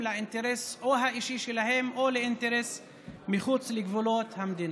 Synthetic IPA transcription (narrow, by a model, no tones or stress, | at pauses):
laint̪eɾesoɦaʔiʃiʃelahemoleint̪eɾes | miχut͡sleɡvulot̪hamd̪ina